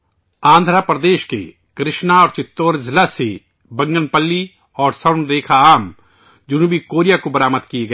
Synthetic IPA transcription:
ãːnd̪ʱɾapɾɐd̪eːʃkḛ | kɾɪʃnaɔːɾt͡ʃɪt̪ːoːɾzɪlase | bɐ̃ŋɡənpəlːi | ɔːɾsɐʊnɾeːkʰaaːm | d͡ʒʊnuːbikoːɾijakobɐɾaːməd̪kieɡɐeː

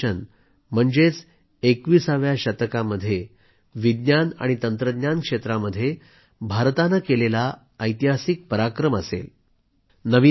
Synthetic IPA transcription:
ən | m̤əɳd͡zet͡s | ekʋiːsaʋjaɕət̪əkaməd̪ʱːje | ʋid̪njana̰ɽ̃it̪ənt̪ɾəd̪nankʂet̪ɾaməd̪ʱːje | bʱaɾt̪anakelela | əjt̪iɦasik̚pəɾakɾəməsḛl | nəʋi

